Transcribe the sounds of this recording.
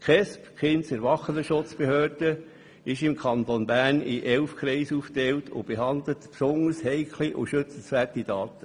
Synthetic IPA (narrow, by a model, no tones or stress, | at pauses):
kχɛspχɪntsɛɾʋɑχənəʃʊt͡sb̥ehøːɾd̥ə | ɪʃɪmkʰɑnt̪onbæːnɪʔɛlfkɾɛɪsuːft̪ɛwtʰʊ̰b̥eɦɑnd̪lətpsoŋəɾshɛɪkʰliʔʊ̰ʃʏt͡sn̩sʋærtid̥ɑːt̪ə